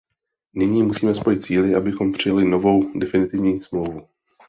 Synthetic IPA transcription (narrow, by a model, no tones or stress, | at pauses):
nɪɲiːmusiːmɛspo̞jɪt̪̚t͡siːlɪʔabɪxo̞mpr̝̥ɪjalɪno̞vo̞wdɛfɪnɪt̪ɪvɲiːsmlowvu